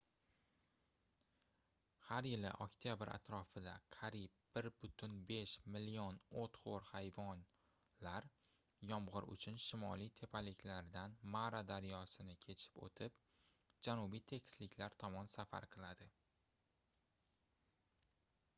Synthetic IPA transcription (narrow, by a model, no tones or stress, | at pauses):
haɾjɪlɪ̰ʔɒkʲt̪ʰijabɪɾa̰t̪ɾɒfɪd̪aqʰaɾib̚b̥ɪɾbʊt̪ʰʊnbe̞ʃmɪlijonot̪χoɾhajvɒn | laɾ | jɒmʁɨɾʊ̰t͡ʃʰʊnʃɪmɒlˠijt̪ʰe̞pʰalɪkʲʰlaɾd̪anmaɾad̪aɾjɒsɪnɪkʲʰe̞t͡ʃʰɪ̥po̰t̪ʰɪp | d͡ʒanʊbijt̪ʰe̞kʲʰslɪkʲʰlaɾt̪ʰɒmɒnsafa̰ɾqʰɨlˠad̪ɪ